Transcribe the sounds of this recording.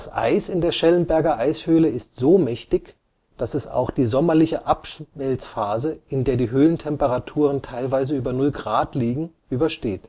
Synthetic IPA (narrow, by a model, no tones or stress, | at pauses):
d̥asʔa̰ɪsɪndeːɐʃɛlənbɛɐɡɐʔaɪshøːləɪstz̥oːmɛçtɪç | d̥asɛsa̰ʊxd̥iːzɔmɐlɪçəʔapʃnɛlsfaːzəʔɪndeːɐdiːɦøːləntʰɛmpəʁatʰuːʁ̞əntʰaɪlvaɪzəyːbɐnʊlɡʁaːtliːɡŋ̩ʔyːbɐʃteːt